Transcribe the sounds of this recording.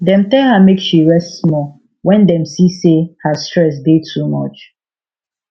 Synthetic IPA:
dɛ̃mtɛlhamekʃiɹɛsttsmɔ | wɛ̃ndɛ̃msisehastɹɛs̬detʰumɔt͡ʃ

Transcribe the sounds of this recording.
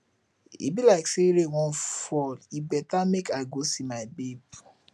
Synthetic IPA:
ḭbilaɪkseɾewɔ̃nfɔlibɛtamekaɪɡosimaɪbeb

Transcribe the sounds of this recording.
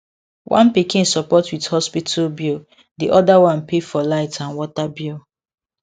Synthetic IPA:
wʔã̰npikĩnsɔpɔtwithɔspitʰalbil | diʔɔdawãnpefɔlaɪtãnwɔtabul

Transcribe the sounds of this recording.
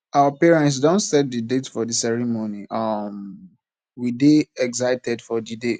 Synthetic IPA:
awəpiɹɛ̃ntsdõntsɛt̚didetfɔdisɛɹimoniʔʌm | wideɛɡzaɪtɛdfɔdide

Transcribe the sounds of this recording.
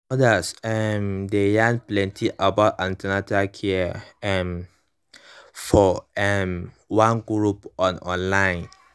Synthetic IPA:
ɔdasɛmdejãnplɛ̃ntʰiʔabaʊtãntanatakʰiɛ̃m | fɔɛm | wãnɡɹupʔɔ̃nɔ̃nlãj̃n

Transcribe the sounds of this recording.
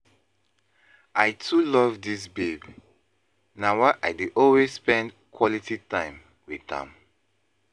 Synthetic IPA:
ʔaɪtʰulɔvdis̬beb | nawaʔajdiʔɔlwesspɛ̃nd | kʰwɔlititãɪ̃m | wiðã̰m

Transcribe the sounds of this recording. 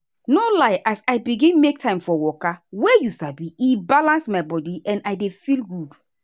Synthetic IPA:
nolaɪʔasaɪbiɡĩnmek̚tʰãɪ̃mfɔwɔkawɛjusabiibalãnsmaɪbɔdiʔɛ̃naɪdefilɡud

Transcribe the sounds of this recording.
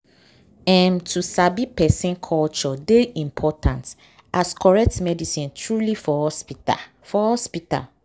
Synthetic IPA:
ɛ̃mtʰusabipɛsĩnkʰɔlt͡ʃɔdeĩmpʰɔtʰãnt | ʔaskʰɔɹɛk̚tmɛdisĩntʰɹulifɔhɔspia | fɔhɔspita̰l

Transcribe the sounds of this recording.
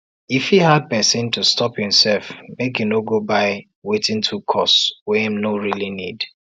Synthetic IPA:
ifhihad̚pɛsɪ̃ntʰustɔphĩmsɛlfmekjunoɡobaɪ | wetɪ̃ntʰukʰɔswɛĩmnoɹilinḭd̥

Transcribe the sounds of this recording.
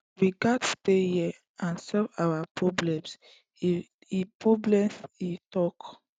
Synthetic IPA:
ɹiɡadstehi | ãnsɔvawapɹɔblɛ̃ms | ipɹɔblɛ̃mitɔk

